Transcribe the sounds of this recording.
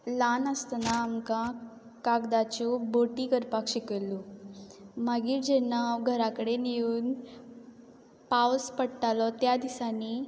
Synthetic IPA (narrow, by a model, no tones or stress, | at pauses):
lanəst̪naːmkã | kaɡd̪at͡ɕɔboʈikəɾpakɕikəlːu | maɡiːʈd͡ʑɛnawɡʱəɾakəɽeniuːn | pawspəɽʈalɔt̪jad̪isani